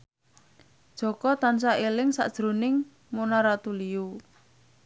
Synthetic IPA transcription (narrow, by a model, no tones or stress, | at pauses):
d̥ʒ̥ɔ̤kɔt̪ansaelɪŋsa̰ʔd̥ʒ̥ɾunɪŋ | monaɾat̪uliu